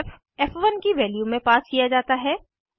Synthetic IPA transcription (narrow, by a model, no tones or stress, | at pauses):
f | ɛfʋɐnkiʋɛːljumẽpaːskijad͡ʒaːt̪aɦɛː